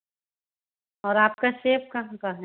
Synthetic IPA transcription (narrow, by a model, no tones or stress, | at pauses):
ɔːɾaːp̚kaʃeːp̚kɐɦãkaɦɛ̃